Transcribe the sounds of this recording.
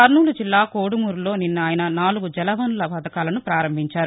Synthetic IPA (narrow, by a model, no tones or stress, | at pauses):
ɐɾnuːlud͡ʒilːaːkoːɽumuːɾulo̞ːninːɐaːjɐnɐnaːluɡud͡ʒɛlɐʋɐnlɐpɐd̪ɐkaːlɐnupɾaːɾɐmbʱiɲt͡ʃaːɾu